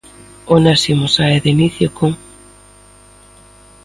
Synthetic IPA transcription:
onasimosaeðiniθjokoŋ

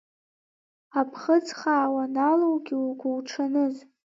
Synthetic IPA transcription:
apʰχət͡sʰχaːwanalowɡʲiuɡʷuwʈ͡ʂʰanɨz

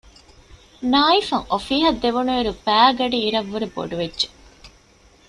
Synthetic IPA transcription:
naːifɐŋofiːɦɐd̪ːeʋunueɾubæːɡɐɖiːɾɐʋːuɾebo̰ɖuʋedːʒe̥

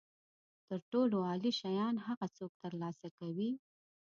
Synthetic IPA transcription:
t̪əɾʈoloɑliʃajɑnhaɣat͡sok̚t̪əɾlɑsakawi

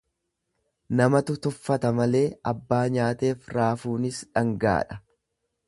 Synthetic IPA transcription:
nɐmɐt̪ʊt̪ʊfːɐt̪ɐmɐle̞ːʔɐbːaːɲaːt̪e̞ːfɾaːfuːnɪsᶑɐŋɡa̰ːᶑɐ̥

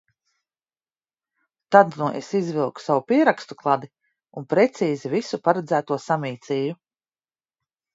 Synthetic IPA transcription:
t̪ad̪nuʔesizvilˠku̥savupiɛɾakst̪uklˠad̪i | unpɾɛt̪siːzivisupaɾɛd̪zæːt̪uɔsamiːt̪sʲiːju

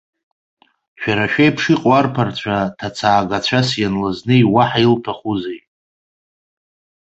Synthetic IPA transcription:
ʃᶣaɾaʃᶣajpʰʂiqʼarpʰart͡ɕʷʰatʰat͡sʰaːɡat͡ɕʷʰasjanlaznɨiwaħailtʰaχuzej

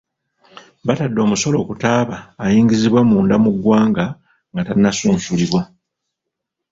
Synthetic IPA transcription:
batadːo̞ːmuso̞lo̞ːkutaːβaːjiːŋɡiziβwamuːndamuɡwaːŋɡa | ŋɡatainːasuːnsuliβwa

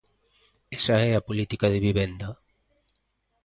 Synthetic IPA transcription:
ɛsaɛapolit̪ikaðɪβiβend̪ɐ

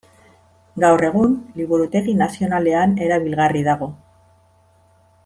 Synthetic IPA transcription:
ɡawre̞ɣ̞unliβuɾut̪e̞ɣinasio̞nale̞ane̞ɾaβilɣariðaɣo̞

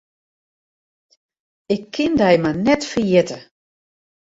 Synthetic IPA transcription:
ɪkʰːɪndɛjmanɛtfərjɪtə

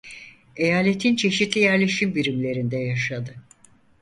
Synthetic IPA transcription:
e̞jaːlʲe̞t̪ʰint͡ʃʰe̞ʃit̪lʲijæɾlʲe̞ʃimbiɾimlʲe̞ɾind̪ɛjaʃad̪ɯ

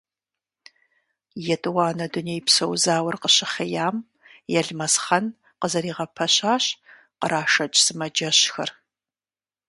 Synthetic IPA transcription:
jɛtʼɨwaːnɐdʊneːjpsɐwzaːwɐrqəɕɪχejaːm | jɛɮmɐsχɐn | qəzɐɾiːʁɐpʰɐɕaːɕ | qəɾaːʃɐt͡ʃʼsɨmɐd͡ʒɐɕxɐ̰r

